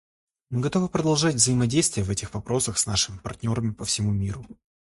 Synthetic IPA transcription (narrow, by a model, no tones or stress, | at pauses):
mɨɡɐt̪o̞vɨpɾəd̪ɐlˠʐadʲvzəɪmɐdʲejst̪vʲɪjəvɛtʲɪxvɐpɾo̞səxsnaʂɨmʲɪpɐ̰rtʲnʲo̞ɾəmʲɪpəfsʲɪmumʲiɾʊ